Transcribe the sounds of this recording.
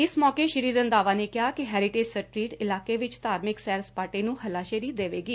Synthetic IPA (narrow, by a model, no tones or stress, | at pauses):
ɪsmɔːkeːʃəɾiːɾənd̪aːʋãːneːkɪɦaːkɪɦɛːɾɪʈeːd͡ʒsəʈɾiːʈɪlaːkeːʋɪt͡ʃt̪aːɾmɪksɛːɾspaːʈeːnũːhəlaːʃəɾiːd̪eːʋeːɡiː